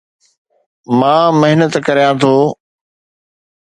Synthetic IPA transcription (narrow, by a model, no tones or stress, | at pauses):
mãːmɐɦɪnət̪kɐɾjãːt̪ʰoː